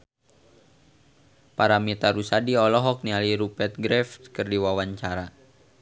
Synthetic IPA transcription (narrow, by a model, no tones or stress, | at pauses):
paɾamit̪aɾusadiɔlɔɦɔk̚nialiɾupɛt̪̚ɡɾɛft̪kɨrdiwawaɲt͡ʃaɾa